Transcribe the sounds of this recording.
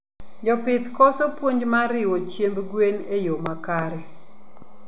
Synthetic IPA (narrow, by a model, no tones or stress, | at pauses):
d͡ʒɔpɪt̪kɔsɔpwoɲd͡ʒmaɾɪwɔt͡ʃjembɡwenejomakaɾɛ